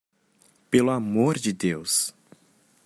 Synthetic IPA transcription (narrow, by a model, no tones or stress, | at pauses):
pelʊamoɾd͡ʒɪd̪ews